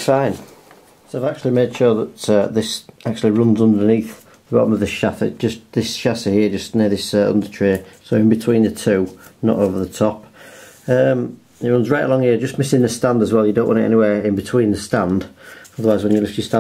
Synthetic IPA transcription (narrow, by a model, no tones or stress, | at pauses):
sãɪ̃n | sɪvak̚t͡ʃʉl̩ˠimeɪd̥ʃʊːðətəðɪsak̚t͡ʃʉl̩ˠiɹʊ̃nzʌ̃ndəniˑθ | ðəbɑ̰bəməvðɪsʃasə̰d̥d͡ʒ̥ʌsðɪsʃasəhɪəd͡ʒʌsnɪəðɪsəʌ̰̃ndətʰɹ̥eːsoʊɪ̃nbɪtʰw̥ĩːnðətʰʉːnə̰toʊvəðətʰɒp | ə̃m | ɪɹʊ̃nzɹaɪʔə̰lɒ̃ŋhɪəd͡ʒʌsmɪsɪ̃nðəstãndəzwɛlˠjədõʊ̃nʔwɑ̃tɪtɛ̰nɪwɛːɹɪ̃nbɪtʰw̥ĩːnðəstãnd̥ʌðəwaɪzwə̃njəlɪfəstã